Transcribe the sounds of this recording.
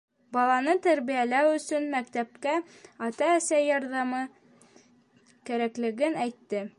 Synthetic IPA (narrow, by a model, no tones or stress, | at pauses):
bɑlˠɑnɤt̪æɾβijælæwɵ̆sɵnmækt̪æp̚kæ | ɑt̪ɑːsæjɑɾðɑmɤ | kæɾæklɘ̆ɡɘnæjt̪ːɘ